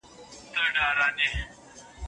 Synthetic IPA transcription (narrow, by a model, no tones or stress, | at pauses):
t̪əɖaːɾaːne